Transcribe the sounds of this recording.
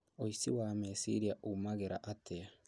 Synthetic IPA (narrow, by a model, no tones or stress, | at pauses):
oisiwaːmesḭɾiaʔumaɡeɾʔa̰ʔatʰea